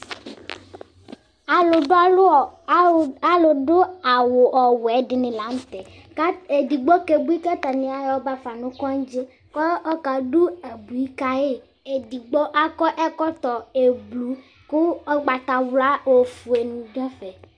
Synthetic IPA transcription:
a˨lo˨˦˨ | a˨lo˨do˦a˨wo˨ʔɔ˨wɛ˨˦ɖɪ˨nɪ̃˨la˨˦m̩˦t̪ɛ˨˦ | e˨di˨ɡ͡bɔ˦ke˨bu˦i˦ka˦t̪a˨nĩ˨˦a˦jɔ˦ba˦fa˨nũ˦kɔ˦ŋ˦d͡ʒe˦ | kɔ˦ɔ˦ka˨ɖu˦e˨bu˨i˦ka˦e˦ | e˨di˨ɡ͡bɔ˦ʔa˦kɔ˦ʔɛ˦kɔ˦t̪ɔ˨e˨blu˦ | kʊ˦ɔ˦ɡ͡ba˨t̪a˨wla˦wo˨fu˨e˨nũ˨ɖɛ˦fɛ˨

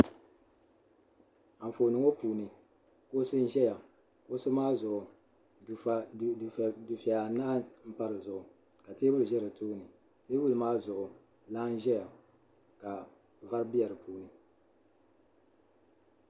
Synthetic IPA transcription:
a˨foː˨nɨ˨ŋo˦puː˨nɨ˨ | ko˦sɨ˦n˦ʒɛ˦ja˨ | ko˦sʊ˦maː˦zʊ˨ʔʊ˨ | du˨fɛ˨a˨naː˦m̩˦pa˦ɾɨ˨zʊ˨ʔʊ˨ | ka˨teː˦bʊ˦lɨ˨ʒɛ˦ɾɨ˨tuː˦nɨ˨ | teː˦bu˦lɨ˨maː˦zʊ˨ʔʊ˨ | la˦n˦ʒɛ˦ja˨ | ka˨ | va˦ɾɨ˦bi˦ɛ˨ɾɨ˨puː˨nɨ˨

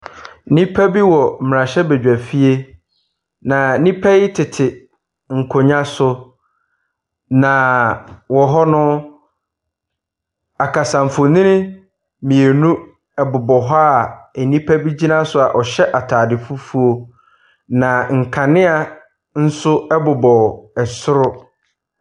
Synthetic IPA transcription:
nĩ˦pʰæ˦bi˦wɔ˨m̩˨m̃˨ã˨ɕɛ˦bɛ˨d͡ʑᶣæ˨fi˦e˦ | nã˨˦nĩ˦pʰɛ˦ɪ˦tʰɪ˨tʰɪ˨ | ŋ̩˨kʰo˨ɲã˦sʊ˦ | nã˨wɔ˨ɦɔ˦nʊ̃˦ | a˨kʰa˨sã˨m̩˨fo˨nɪ̃˦nɪ̃˦ | mĩ˨e˨nũ˦ | ɛ˨bʊ˨bɔ˨ɦa˦a˨æ˨nĩ˦pʰæ˦bi˦d͡ʑi˦nã˦sʊ˨a˨ʔɔ˨ɕɛ˦ʔa˨tʰaː˨dɪ˨fʊ˦fu˦o˦˨ | nã˨ŋ̩˨kʰa˨nɪ̃˦a˨ | n̩˦sʊ˦ɛ˦bʊ˨bɔ˨ɛ˨sʊ˦ɾʊ˦

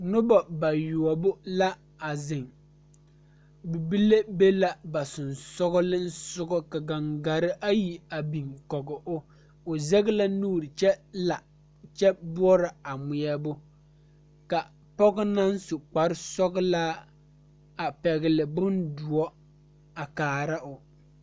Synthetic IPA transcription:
nʊ˦bɔ˨ba˨ju˨ɔ˨bʊ˦la˦ | a˨zɪ˨ŋ | bu˨bi˦le˦be˦la˦ba˨sʊ˨nsɔ˦ɣɔ˦lɪ˦n̩˦sʊ˦ɡɔ˦ka˨ɡa˨ŋɡa˨ɾɪ˦ʔa˦ji˨a˨bi˨ŋkɔ˨ɡɔ˨ʔʊ˦ | ʊ˨zɛ˦ɡɪ˦la˦nuː˦ɾɪ˨t͡ʃɛ˦la˨ | t͡ʃɛ˦bʊ˦ɔ˦ɾɪ˨a˨mʊ˨ɛ˦bʊ˦ | ka˨ | pɔ˦ɡɔ˦na˦nsʊ˨k͡pa˨ɾɪ˦sɔ˦ɡɔ˦laː˦ | a˨pɛ˨ɣɪ˨lɪ˨bʊ˦ndʊ˨ɔ˦ | a˨kaː˨ɾa˦ʔʊ˨

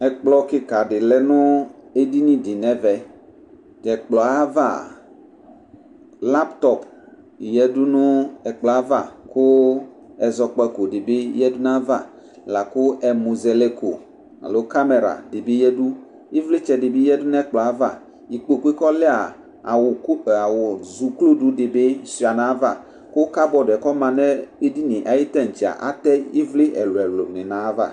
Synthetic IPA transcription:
ɛ˨k͡plɔ˦kɪ˦ka˨ɖɪ˨lɛ˦nʊ̃˦e˦di˦nĩ˦di˨nɛ̃˦vɛ˨ | tɛ˨k͡plɔ˨a˦va̰˦˨ | la˦pt̪ɔ˦p | jɛ˦du˦nʊ̃˦ɛ˨k͡plɔ˨a˦va˨kʊ˦ | ɛ˨zɔ˨k͡pɔ˨˦ɛ˨ko˨ɖe˨be˦jɛ˦du˦nã˦va˦˨ | la˨kʊ˦ʔɛ˨mũ˨ze˨le˦ko˨ | a̰˨lo˦ka˦me˨ɾa̰˨de˨be˦jɛ˦du˦ | i˦vle˦t͡ʃɛ˨de˨bi˦jɛ˦du˦nɛ̃˦k͡plɔ˨a˦va̰˦˨ | ji˨k͡po˨ku˦e˦kɔ˦le˦a˨ | wa˨wo˨zu˨klo˦du˦de˨be˦si˨a˨nã˨˦va˦˨ | ko˦ka˦bɔ˨dɛ˨kɔ˦mã˨nɛ̃˦e˦di˦nẽ˨ʔa˨ji˦t̪ɛ˦n̩˨t͡ʃi˨a̰˨ʔa̰˦t̪ɛ˦i˦vle˦ʔɛ˨lo˨ɛ˨lo˨nẽ˨nã˨˦va̰˦˨

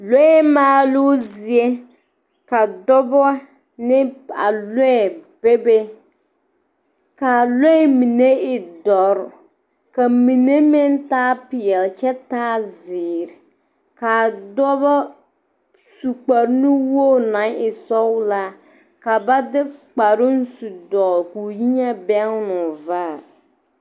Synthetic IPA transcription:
lo˦ɛ˦maː˦lu˦zɪ˨e˦ | ka˨dɔ˦bɔ˦a˦ | nɪ˦a̰˨le˦ɛ˦˨b̥e˦be˦ | ka˨le˦ɛ˦mi˨ne˦ɪ˨dɔ˨ɾʊ˨ | ka˨mi˨ne˦mɪ˦ntaː˦pɪ˨ɛ˨lt͡ʃɛ˦taː˦zɪː˨ɾɪ˨ | ka˨dɔ˦βa˦ | su˨k͡pa˨ɾnu˦woː˦˨na˨˦ŋɪ˨sɔ˦wla˦ | ka˨ba˦dɪ˦k͡pa˨ɾʊ˦n˦su˨dɔ˨lku˨ji˦ɲa˦bɛ˦ŋ˦nʊ˨vaː˦˨

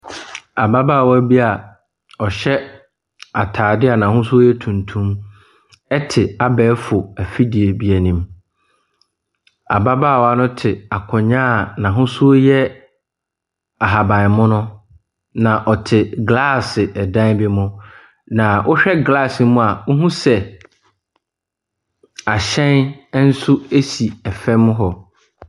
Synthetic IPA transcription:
a˨ba˦ba˦˨wɔ˦æ˦bi˦a˨ | ɔ˨ɕɛ˦ | a˨tʰaː˨dɪ˦a˨nã˨ɦʊ̃˦su˦o˦jɛ˦tʰũ˨ntʰũ˦m | ɛ˦tʰɪ˨a˨bɛː˦fʊ˨æ˨fi˦di˨e˨bi˦æ˨nĩ˨m | a̰˨ba˦ba˦˨wɔ˦a˦nʊ̃˦tʰɪ˨a˨kʰɔ˨ɲãː˦˨nã˨ɦʊ̃˦su˦jɛ˦ | a˨ɦa˨bã˨n˨mʊ̃˦nʊ̃˦ | nã˨ʔɔ˨tʰɪ˨ɡla˦˨sɪ˨ʔɛ˨dã˦n˦bɪ˦mʊ̃˦ | nã˨ʔʊ˦ɕᶣɛ˦ɡla˦˨sɪ˨˦mũ˦a˨ʊ˦ɦũ˦sɛ˨ | a˨ɕɛ̃˦n˦n̩˦sʊ˦e˦si˨ɛ˨fɛ˦mʊ̃˦ɦɔ˨

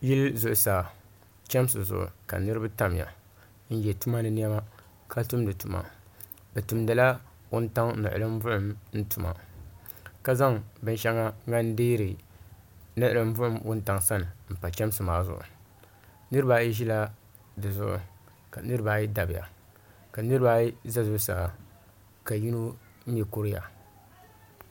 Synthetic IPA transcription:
ji˦lzʊ˨ʔʊ˨saː˨ | t͡ʃɛ˦m˦sɨ˨zʊ̰˨ʔʊ̰˨ka̰˨nɨ˦ɾɨ˦ba˦ta˦m˨ja̰˨ | n̩˦jɛ˨tu˦ma˦nɨ˦ni˦ɛ˦ma˦ | kʰa˦tu˦mdɨ˨tu˨ma̰˨ | bɛ˨tu˨mdɨ˨la˦ | wʊ˦n˦ta˦ŋnɨ̰˨ʔʊ̰˨lɨ˦m˦vʊ˦ʊ˦mn̩˦tu˨ma̰˨ | ka˦za˦ŋbɨ˦nʃɛ˦ŋa˦ŋa˦n˦diː˦ɾɨ˨ | nɨ˦ʔlɨ˦m˦vʊ˦ʔʊ˦mwʊ˦n˦ta˨ŋsa˦nɨ˨m̩˨pa˨t͡ʃɛ˦m˦sɨ˨maː˨zʊ̰˨ʔʊ̰˨ | nɨ˦ɾɨ˦ba˦ji˦ʒi˦la˦ | dɨ˨zʊ̰˦ʔʊ̰˨ | ka˨nɨ˦ɾɨ˦baː˦ji˦da˨bɪ˨ja̰˨ | ka˨nɨ˦ɾɨ˦ba˦ji˦za˦zʊ˦saː˨ | ka˨ji˦nu˦ | m̩˦jɛ˨ko˦ɾɪ˦ja̰˨

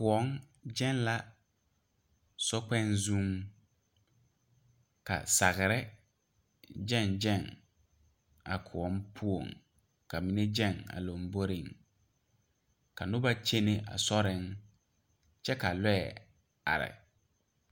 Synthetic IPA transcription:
kʊ˨ɔ˦ŋ | d͡ʒɛ˦n˦la˦ | sɔ˦k͡pɛ˦nzũ˦ŋ | ka̰˨sa˨ɣɪ˨ɾɪ˦ | d͡ʒɛ˦˨nd͡ʒɛ˦˨ŋ | a̰˨kʰʊ˨ɔ˨˦mpʰu˦o̰˨ŋ | ka˨mi˦ne˦d͡ʒɛ˦˨ŋa̰˨lo˨mbo˦ɾɪ˨ŋ | ka˨nʊ˦ba˦t͡ʃe˦ne˨ʔa̰˨sɔ˦ɾɪ˨˦ŋ | t͡ʃɛ˦ka˨lɛ˦ɛ˨ | a̰˨ɾɪ̰˨

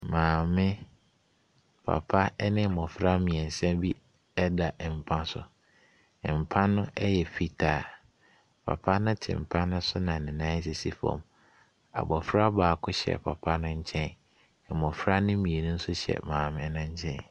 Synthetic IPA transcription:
mãː˨mɪ̃˦ | pʰa̰˨pʰa˦nɪ̃˦˨mɔ̃˨fɾa˦mĩ˨ɛ̃˨n˨sɛ̃˦bi˦ | ɛ˦da˨ʔm̩˨pʰã˦sʊ̰˨ | m̩˨pʰã˦nʊ̃˦ɛ˦jɛ˨pʰi˦tʰa˨ | pʰa̰˨pʰa˦nʊ̃˦tʰɪ̰̃˨m̩˨pʰã˦nʊ̃˦sʊ˦nã˨nɪ̃˨nã˦s̬ɛ˦si˦fɔ̰̃˨m | a̰˨bɔ˨fɾa˦baː˨kʰʊ˦ɕɛ̰˨pʰa˨pʰa˦nʊ̃˦ɲ̩˦t͡ɕʰɛ̃˦n˨ | mɔ̃˨fɾa˦nɪ̃˦mĩ˨e˨nʊ̃˦n̩˦sʊ˦ɕɛ̰˨mãː˨mɪ̃˦nʊ̃˦ɲ̩˦t͡ɕʰɛ̃˦n

